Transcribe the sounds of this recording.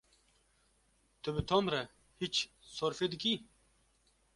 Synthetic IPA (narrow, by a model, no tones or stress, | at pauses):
t̪əbɨt̪ʰomɾɐ | hit͡ʃ | soɾfed̪iki